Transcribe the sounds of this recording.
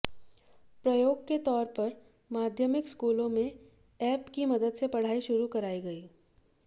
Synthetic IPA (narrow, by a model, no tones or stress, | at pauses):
pɾɐjoːɡ̚ket̪ɔːɾpɐɾ | maːd̪ʱjəmɪkskuːlõmẽ | ɛːpkimɐd̪əd̪sepɐɽ̤aːiʃʊɾukɐɾaːiɡɐiː